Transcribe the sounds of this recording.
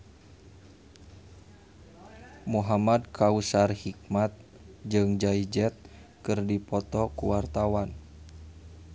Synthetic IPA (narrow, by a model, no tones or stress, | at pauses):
muɦamad̚kʰausarhik̚mat̪̚ | d͡ʒɨŋd͡ʒaid͡ʒɛt̪̚kɨrdipɔt̪ɔkuwart̪awan